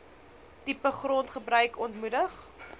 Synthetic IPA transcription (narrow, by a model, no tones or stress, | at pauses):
tipəχrɔntχəbrœɥkʰɔntmudəχ